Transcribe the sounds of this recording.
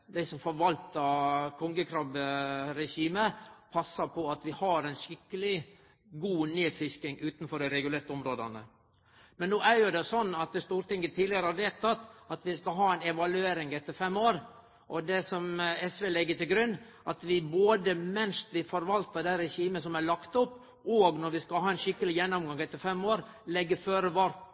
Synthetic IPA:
d̪æɪsɔmfɔɾʋɑlt̪əkʰɔŋɡəkʰɾɑbɾɛʂiːməpʰɑsːɑpʰɔɑt̪ʋɪhɑɾɛɪnʃɪkːəlɪ | ɡuːneːfɪskɪŋʉːt̪n̩fɔɖæɪɾɛɡʉleːɾt̪əɔmɾoːd̪ɑnə | mɛnːoːæɾjʊd̪ɛsɔnːɑt̪̚d̪ɛst̪uːɾt̪ɪŋːət̪ʰiːd̪lɪɑɾəhɑd̪eːlt̪ʰːɑt̪ːɑt̪ʋɪskɑɦɑːɛɪnɛʋɑlʉeːɾɪŋɛt̪ːəɾfɛmːoːɾ | ʔɔd̪ɛsɔmɛsʋɛlɛɡːət̪ɪlɡɾʉnː | ʔɑt̪ʋɪboːd̪əmɛnst̪ʋɪfɔɾʋɑlt̪ədɛɾɛçiːməsɔmæɭɑkt̪ʊpː | oːɡnɔɾʋɪskɑhɑːɛnʃɪkːəlɪjɛnːɔmɡɑŋɛt̪ːəɾfɛmːoːɾ | lɛɡːəføːɾəʋɑɾt̪

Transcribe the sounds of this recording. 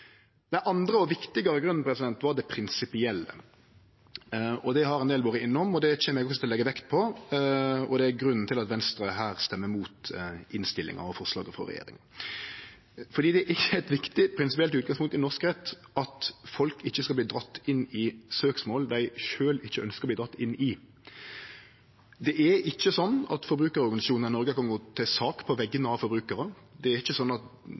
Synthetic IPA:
d̪ænʔɑnd̪ɾəɔʋɪkt̪ɪɡɑɾəɡɾʉnn̩pʰɾɛsɪd̪ɛnt̪ʋɑd̪ɛpʰɾɪnsɪpɪɛlːə̰ | ɔd̪ɛɦɑɾɛnd̪eːlʋoːɾəɪnːəɔmɔd̪ɛt͡ɕeːməɾɛɡɔksɔt̪ʰɪlɛɡːəʋɛkt̪̚pʰɔ | ɔd̪ɛæɾɡɾʉnn̩t̪ʰɪlɑt̪ʋɛnst̪ɾəɦæːɾst̪ɛmːəmuːt̪ɪnst̪ɪlɪ̰ŋɑ̰ɔfɔʁʂlɑ̰ːɡəfɑ̰ɾɛ̰jḛːɾɪ̰ŋən | fɔɾd̪iːd̪ɛæɪəɛt̪ʋɪkt̪ɪpʰɾɪnsɪpɪɛlʉːt̪̚ɡɑŋspʊŋt̪ɪnɔʁskʁɛt̪ːʔɑt̪fɔlkɪçːəskɑbliːd̪ɾɑt̪ːɪnːɪsøːksmoːld̪æɪʃøːlɪçːəœnskəʁb̪iːd̪ɾɑt̪ːɪnːɪ | d̪ɛʔæɪçːəsɔnːɑ̰t̪fɔɾbɾʉːkəɾɔɾɡɑnɪsɑʃuːnnənɔɾɡəkɑnɡoːt̪ʰɛsɑːkpʰɔʋɛɡːənəɑʋfɔɾbɾʉːkəɾə | d̪ɛæɾɪçːəsɔnːɑt̪

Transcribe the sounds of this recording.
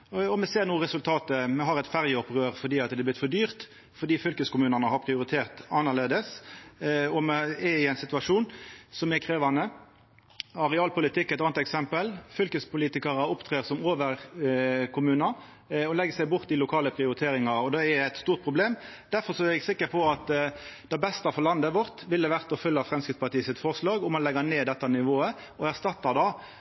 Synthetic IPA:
ɔmɛseːʁnuːʁɛsʉlt̪ʰɑːt̪əmɛɦɑʁɛɪt̪fæʁjəɔpʁøːʁfɔd̪iːɑt̪d̪ɛblɪt̪fɔd̪yːʁt̪ | fɔd̪iːfʏlkəskʊmʉːnənəɦɑpʰʁɪʊɾɪt̪ʰeːʁt̪ɑnːɑleːd̪əs | ɔmɛɛɪæɪnsɪt̪ʉɑʂuːnsɔmɛkʰɾeːʋɑnə | ɑɾɛɑːlpʊlɪt̪ʰɪkːæɛt̪ɑːnt̪ɛksɛmpəlfʏlkəspʊliːt̪ɪkɑʁəʊpt̪ʰʁeːʁsɔmoːʋəʁkʰʊmʉːnɑ | ɔlɛɡːəsæɪbʊʁt̪ːɪlʊkʰɑːləpʰʁɪʊɾɪt̪ʰeːɾɪŋɑɔd̪ɛɛæɪt̪st̪uːʁt̪̚pʰʁʊbleːmd̪̥æɾfɔɾsɔæɾɛɡsɪkːəpʰɔɑt̪d̪̥ɑbɛst̪ɑfɔʁlɑnd̪əʋɔʁt̪ʋɪld̪əʋæʁt̪ɔfʉlːəɑʋfɾʁɛmskɾɪft̪spɑt̪iːəsɪt̪fɔʁslɑːɡʊmɑnlɛɡəneːd̪ɛt̪ːɑnɪʋoːə | ɔæʁst̪ɑt̪ːɑd̪ɑ

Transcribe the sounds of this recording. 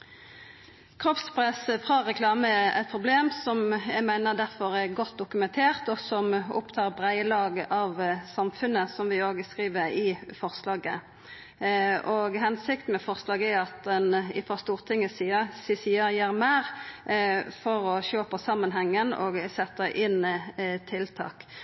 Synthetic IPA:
kʰɾɔpspʰɾɛsəfʁɑːʁɛkʰlɑːməɛʔæ̰ɪt̪̚pʰʁʊbleːmsɔmjæɪmæɪnəʁd̪æʁfɔɾɛʁɡɔt̪̚ːd̪ʊkʉmɛnt̪ʰeːʁt̪ɔsɔmʊ̰pt̪ʰɑːɾbʁæɪəlɑːɡʔɑʋsɑmfʉnəsɔmʋɪoːɡəskʁiːʋəɾɪfɔʁslɑːɡə | ʔɔɡɦɛnsɪkt̪n̩mɛfɔʁslɑːɡɛɑt̪̚d̪ɛnɪfɔʁst̪uːʁt̪ʰɪŋːəsəsɪsiːəɾjæːɾmæːɾ | fɔɾɔɕøːpəsɑmːənɦɛŋːənɔ̰ɡsɛt̪ːəʔɪnt̪ʰɪlt̪ʰɑ̰ːk

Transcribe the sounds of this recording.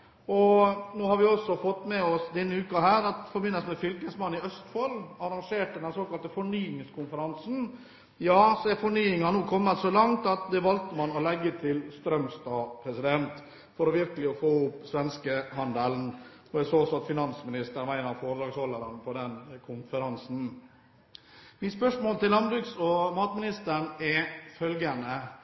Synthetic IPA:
ɔnoːhɑɾʋɪɔsːɔfɔt̪ːmɛɔsd̪ɛnːəʉːkɑhæːɾɑt̪fɔɾbɪnːəsmɛfʏlkəsmɑnːɪœst̪fɔlɑɾɑŋʂeːʈːəd̪ɛnsoːkɑlt̪əfɔɳyːɪŋskʰʊnfəɾɑnsn̩ | jɑːsɔɛfɔɳyːɪŋɑnuːkʰɔmːət̪sɔlɑŋt̪ɑt̪̚d̪ɛʋɑlt̪əmɑnɔlɛɡːət̪ʰɪlst̪ɾœmst̪ɑːpʰɾɛsɪd̪ɛnt̪ | fɔɾɔʋɪɾkəlɪɔfoːʊpːsʋɛnskəɦɑnd̪əln | ɔɪsoːsɑt̪fɪnɑnsmɪnɪst̪əɾmæɪnəɾfoːɾd̪ɾɑːɡsɔlːəɾənpʰɔd̪ɛnkʰʊnfəɾɑnsn̩ | mɪspœʂmoːlt̪ɪllɑnbɾʉksɔmɑːt̪mɪnɪst̪əɳɛfœlɡənə

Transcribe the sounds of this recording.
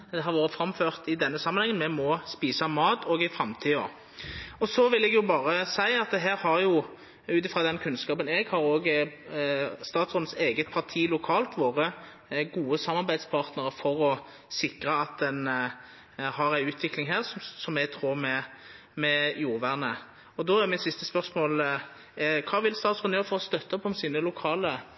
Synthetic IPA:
d̪ɛɦɑɾʋoːɾəfɾɑmføːʁt̪ɪd̪ɛnːəsɑmːənhɛŋənmɛmɔspiːsɑmɑːt̪ɔːɡɪfʁɑmt̪ʰiːɔ̰ | ɔsɔʋɪlːɛɡjʊbɑːʁəsæɪɑt̪̚ɛɦæːɾhɑʁjʊ | ʉːt̪ɪfɾʁɑːd̪ɛnkʰʉnskɑːpəneːɡhɑɾoːɡ | st̪ɑːt̪sʁɔnəseːɡət̪̚pʰɑʁt̪ʰiːlʊkʰɑːlt̪ʰʋoːʁə | ɡuːəsɑmːɑʁbæɪd̪spʰɑʁt̪nəʁəfɔɾɔ | sɪkʁəɑt̪̚d̪ɛn | hɑʁæɪʉːt̪ʰʋɪklɪŋɦæːʁsɔsɔmæɡt̪ʰʁuʁmɛ | mɛjuːʁʋæʁnə | ɔd̪ɔæɾmɪt̪sɪst̪əspœʁsmoːl | kʰɑːʋɪlst̪ɑːt̪sʊnjøːɾfɔʁɔst̪œt̪ːəɔpɔmsiːnəlʊkʰɑːlə

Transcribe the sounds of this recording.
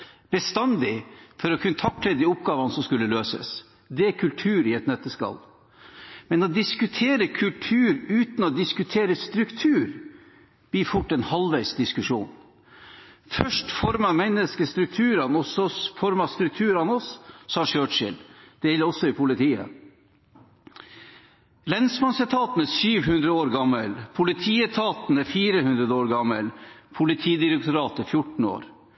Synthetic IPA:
b̥ɛst̪ɑnd̪ɪfɔɾɔkʰʉnːət̪ʰɑk̚t̪ʰlɛːd̪ɪʊp̚ɡɑːʋɑnəsɔmskʉlːəløːsə̰s | d̪ɛækʰʉlt̪ʰʉːɾɪɛt̪nɛt̪ːəskɑ̰l | mɛnɔd̪ɪskʉt̪ʰeːɾəkʰʉlʈ̪ʰʉːɾʉːt̪n̩ɔd̪ɪskʉt̪ʰeːɾəst̪ɾʉkt̪ʰʉːɾ | b̥iːfʊʈːɛnhɑlʋæɪsd̪ɪskʉʂṵːn | fœʂʈfɔɾmɑmɛnəskəst̪ɾʉk̚t̪ʰʉːɾɑnɔsɔfɔɾmɑst̪ɾʉk̚t̪ʰʉːɾɑnɔsːɑːʂøːʈʂɪ̰ld̪̥eːɛləɾɔsɔɪpʰʊlɪt̪ʰiːə̰ | lɛnsmɑnsɛt̪ʰɑːt̪ənəsyːʋhʉnd̪ɾəoːɾɡɑmːəlpʰʊlɪt̪ʰiːət̪ʰɑːt̪nəfiːɾəhʉnd̪ɾəd̪əoːɾɡɑmːəlpʰʊlɪt̪ʰiːd̪ɪɾɛk̚t̪ʊɾɑːt̪əfjʊʈɳ̩o̰ːɾ

